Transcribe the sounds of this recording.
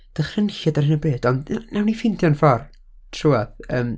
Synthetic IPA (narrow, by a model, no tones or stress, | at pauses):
d̥əχrənɬadarɪnəbeːdɔndnawnifɪndʰjɔnfɔr | tʰruaðəːm